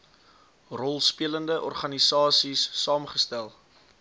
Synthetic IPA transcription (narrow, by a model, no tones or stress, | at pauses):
rɔlˠspiələndəʔɔ̰rχɐnisɑːsisːɑːmχəstælˠ